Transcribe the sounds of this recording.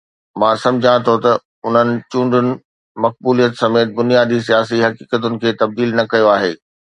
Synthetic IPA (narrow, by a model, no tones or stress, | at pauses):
mãːsɐ̃md͡ʑʱãt̪ʰot̪ɐ | ʊn̤ənɪ̆t͡ɕũːɳɖʊnɪ̆ | mɐk̚buːlijət̪sɐmeːt̪̚bʊnijaːd̪is̬ijaːsiɦɐkiːkət̪ʊnɪ̆kʰeːt̪ɐb̚d̪iːlnɐkɐjoaːɦeː